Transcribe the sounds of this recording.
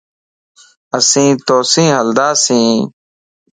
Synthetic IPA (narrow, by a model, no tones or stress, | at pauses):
əsĩːt̪oːsĩːɦəld̪aːsĩː